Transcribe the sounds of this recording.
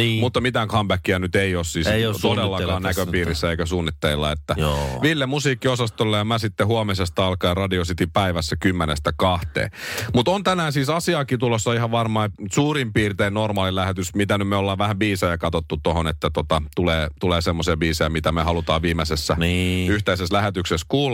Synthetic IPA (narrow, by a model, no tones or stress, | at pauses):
mut̪ːɑmit̪æːŋkʰɑmbækːiænyt̪eiossiːsot̪odelːɑkɑːnnækøpiːrisːæeikæsuːnːit̪ːelilːɑ̰et̪ːæjʋilːemusiːkːiosɑst̪olːejɑmæsit̪ːehuomesest̪ɑɑlkɑirɑdiosit̪ipæiʋæsːækymːenest̪ækɑht̪ḛːmut̪ont̪ænæːnsiːsɑsiɑːkit̪ulosːɑihɑʋʋɑrmɑisuːrimpiːrt̪eːnnormɑːlilæhet̪ysmit̪ænymmeolːɑːʋʋæhæʋbiːsojɑkɑt̪ot̪ːut̪ohonet̪ːæt̪ot̪ɑt̪uleːt̪uleːsemːosiɑbiːsojɑmit̪æmehɑlut̪ɑːʋʋiːmesesːæniyht̪eiseslæhet̪ykseskuːl